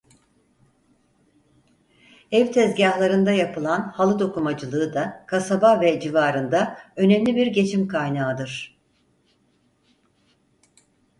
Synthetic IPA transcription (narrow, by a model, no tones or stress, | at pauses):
ɛvt̪ʰɛzɟaɦlˠaɾɯnd̪ajapʰɯlˠanhalˠɯd̪o̞kumad͡ʒɯlˠɯːd̪akʰasabavɛd͡ʒivaːɾɯnd̪aø̞nɛmlʲibiɾɟe̞t͡ʃʰimkʰajnaːd̪ɯɾ̥